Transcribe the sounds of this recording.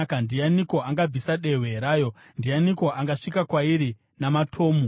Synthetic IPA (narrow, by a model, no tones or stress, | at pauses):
kandijaniko̞aŋɡab͡visaɗe̞ɦweɾaːjo̞ | ndijaniko̞ʔaŋɡaʂikakwaiɾi | namatʰo̞ːmu